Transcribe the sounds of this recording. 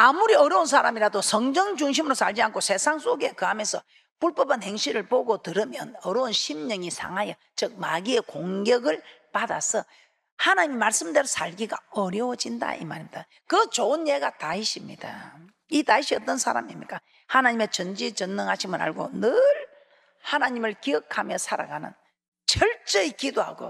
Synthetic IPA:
amuɾiʌɾʌuns̬ʰaɾamiɾadosʰʌŋd͡ʑʌŋd͡ʑuŋɕ̬ʰimɯɾosʰaɭd͡ʑiankʰosʰe̞sʰaŋs͈ʰoɡe̞kɯɦamjensʰʌ | puɭp͈ʌpʰanheŋɕʰiɾɯɭpoɡotɯɾɯmjʌnʌɾounɕʰimɲʌŋisʰa̰ŋɦajʌ | t͡ɕɯk̚maɡie̞koŋɡjʌɡɯɭ | pada̰sʰʌ | hanaɲimimaɭs͈ɯmde̞ɾosʰaɭɡiɡa̰ʌɾjʌwʌd͡ʑinda̰ḭmaɾimɲida | kɯt͡ɕonjeɡataiɕʰimɲida | itaiɕʰiʌt͈ʌnsʰaɾa̰mḭmɲik͈a | hanaɲime̞t͡ɕʌnd͡ʑit͡ɕʌnːɯŋɦaɕʰimɯɾa̰ɭɡo̰nɯɭ | hanaɲimɯɭkiʌkʰamjʌsʰaɾa̰ɡanɯ̰n | t͡ɕʌɭt͡ɕ͈eikidoɦa̰ɡo̰

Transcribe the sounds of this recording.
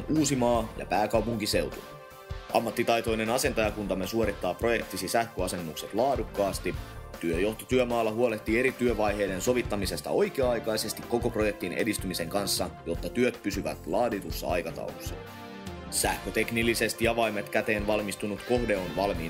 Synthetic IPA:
nuːsimɑːjɑ̰pæːkɑwpuŋk̟ise̞wt̪unu | ʔɑ̰mːɑt̪ːit̪ɑjt̪o̞jne̞nɑse̞nt̪ɑjɑkunt̪ɑmːesuo̞ɾit̪ːɑːpro̞je̞k̚t̪isisæhkøɑse̞nːukse̞t̪lɑːdukːɑːst̪it̪yøjo̞ht̪ot̪yømɑːlːɑɦuole̞ht̪ːiːe̞ɾit̪yøʋɑjɦe̞jde̞nso̞ʋit̪ːɑmise̞st̪ɑ̰o̞jk̟eɑɑjkɑjse̞st̪ikːo̞ko̞pro̞je̞k̚t̪inḛdist̪ymise̞ŋkɑnsːɑjo̞t̪ːɑt̪yøt̪pysyʋæ̰t̪lɑːdit̪usːɑ̰ɑ̰jkɑt̪ɑ̰wlosːɑ̥̰ | sæhkøt̪e̞knilːise̞st̪iɑʋɑjmet̪kæt̪e̞ːnʋɑlmist̪unut̪ko̞hde̞o̞nʋɑlmiː

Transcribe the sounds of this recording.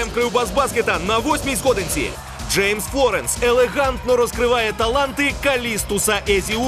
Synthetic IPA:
ɛmkɾɨwbazbaskʲɛt̪ɐnːɐvɔsʲmʲizɣɔd̪ɨnʲsʲḭlʲ | ʐɛjmsflˠɔɾɛnsɛlʲɛɣant̪nɔɾɔskɾɨvajɛt̪alˠant̪ɨkalʲist̪usɐʔɛzʲi

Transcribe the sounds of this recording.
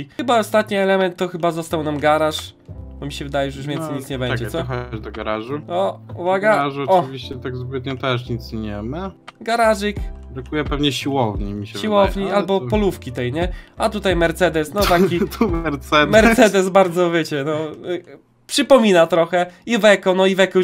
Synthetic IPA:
iɘbaɔst̪at̪ɲiɛlɛmɛnt̪ːɔxɘbazɔst̪awnamɡaɾaʂ | bɔmʲiɕɛvɘd̪ajɛjuʐjuʐvʲɛnsɛjɲit̪sɲɛbɛɲad͡ʑɛt̪sɔɛxɔad͡ʑd̪ɔɡaɾaʐuɔvaɡaaʐɔɔvʲiɕt͡ɕɛt̪aɡzɡwɛd̪ɲɔ̃t̪ɛʂ̬ɲit̪sɲɛmaɡaɾaʐɨkbɾakujɛpɛvɲɛɕiwɔvɲɛmʲiɕɛɕiwɔvɲialbɔpɔlufkʲit̪ɛjɲɛat̪ut̪ajmɛɾt̪sɛd̪ɛsnɔt̪akʲit̪umɛɾt̪sɛd̪mɛɾsɛd̪ɛsbaɾd̪zɔvʲjet͡ɕɛnɔ | pʂɨpɔmʲinat̪ɾɔxɛivɛkɔnɔivɛkɔ

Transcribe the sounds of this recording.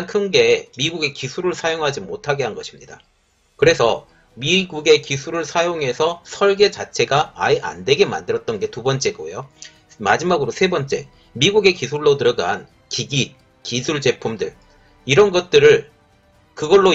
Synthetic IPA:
nkʰɯnɡe̞miɡuɡe̞kisʰuɾɯɭsʰajoŋɦad͡ʑimotʰaɡe̞ɦanɡʌɕʰimɲida̰ | kɯɾe̞sʰʌ | miɡuɡe̞kisʰuɾɯɭsʰajoŋɦe̞sʰʌsʰʌɭɡe̞t͡ɕat͡ɕʰe̞ɡaaiʔa̰ndwe̞ɡe̞ma̰ndɯɾʌt̚t͈ʌnɡe̞tubʌnt͡ɕ͈e̞ɡojo | mad͡ʑimaɡɯɾosʰe̞bʌnt͡ɕ͈e̞̰ | miɡuɡe̞kisʰuɭːotɯɾʌɡan | kiɡi | kisʰuɭd͡ʑe̞pʰumdɯɭ | iɾʌnɡʌt̚t͈ɯɾɯɭ | kɯɡʌɭːo

